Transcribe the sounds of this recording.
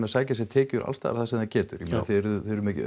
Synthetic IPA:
nasaːjcas̬ɛt̪ʰɛːcʏɾʔa̰lst̪a̰ːɾθasɛmθacɛːt̪ʏɾjɛmmɛnaθɪɛɾθɪɾʏmɛc

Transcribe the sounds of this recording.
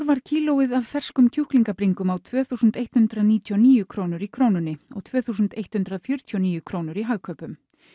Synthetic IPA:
ɾvaɾ̥cʰiːlowɪðavfɛr̥skʏmcʰuhkliŋkapɾiŋkʏmawt̪ʰvœːθusʏnt̪ejt̪hʏnt̪ɾaðniːt̪ʰjɔniːjʏkʰɾoːwnʏɾikʰɾoːwnʏnɪɔ̰ɣt̪ʰvœːθuːs̬ʏnt̪ejht̪hʏnt̪ɾaðfjʏɾ̥t̪ʰjɔniːjʏkʰɾoːwnʏɾiɦaɣkʰœːpʏm

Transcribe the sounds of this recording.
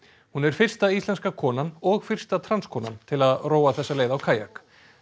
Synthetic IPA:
hunɛɾ̥fɪr̥st̪aist̪ɛnskakʰɔːnanɔɣfɪr̥st̪at̪ʰɾanskʰɔːna̰nt̪ʰɪlaðroːwaθɛsːaleːjðawkʰaːja̰k

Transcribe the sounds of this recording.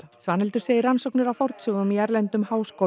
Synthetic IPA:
svaːnɪlt̪ʏɾ̥seːjɪɾansɔwk̚nɪɾawfɔɾt̪sœːɣʏmjɛɾlɛnt̪ʏmhaːwsko

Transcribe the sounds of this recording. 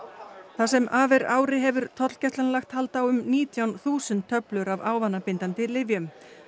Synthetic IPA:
θasɛmaːvɛɾaːwɾɪɦɛvʏɾt̪ʰɔt̪l̥cɛst̪anlaxt̪halt̪awʏmniːt̪ʰjawnθuːsʏnt̪ʰːœplʏɾavaːwvanːapɪnt̪ant̪ɪlɪvjʏm

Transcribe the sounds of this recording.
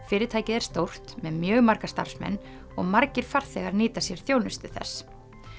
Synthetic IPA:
fɪːɾɪt̪ʰaːjcɪðɛɾ̥st̪owr̥t̪mɛðmjœːɣmaɾkast̪a̰ɾ̥smɛ̰nː | ɔɣmaɾcɪɾ̥faɾ̥θɛɣaɾniːt̪asjɛɾ̥θjownʏst̪ʏθɛ̰sː

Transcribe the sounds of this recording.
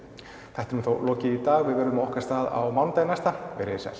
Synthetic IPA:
θɛht̪ɪɾʏmθowlɔːcɪit̪aːɣvɪðvɛɾðʏmaɔhkast̪aːða̰wmant̪ajnajst̪avɛɾɪsɛ̰l

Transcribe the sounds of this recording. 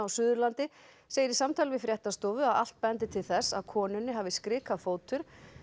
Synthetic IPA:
awsʏðʏɾlant̪ɪ | seːjɪɾisamt̪ʰalvɪfɾjɛht̪ast̪ɔwvʏaða̰l̥t̪̚paɛjant̪ɪt̪ʰɪlθɛsːa̰ðkʰɔːnʏnːɪɦaːvɪskɾɪːkafoːwt̪ʏɾ̥

